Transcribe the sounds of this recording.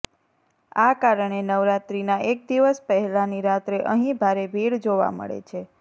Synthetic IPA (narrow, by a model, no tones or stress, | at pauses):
a̰kaɾəɳ̃enəʋɾat̪ɾinaʔek̚d̪iʋəspəɦɛlaniɾat̪ɾeʔəɦĩbʱaɾebʱiɽd͡ʒoʋa̰mə̰ɭḛt͡ʃʰe